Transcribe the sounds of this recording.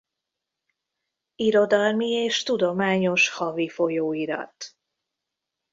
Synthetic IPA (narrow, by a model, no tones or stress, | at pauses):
iɾo̞d̪ɒlmieːʃt̪ud̪o̞maːɲo̞ʃhɒvifo̞joːiɾɒ̰t̪